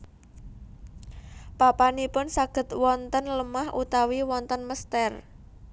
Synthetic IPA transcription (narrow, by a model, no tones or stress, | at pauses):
papanipʊnsaɡ̥ə̤t̪wɔnt̪ənləmahʔut̪awiwɔnt̪ənməst̪ɛr